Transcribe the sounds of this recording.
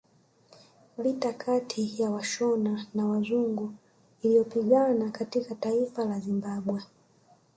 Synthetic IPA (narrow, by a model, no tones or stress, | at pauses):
litakʰatʰijawaʃɔnanawazuŋɡu | ilijɔpiɠanakatikataifalazimbaɓwɛ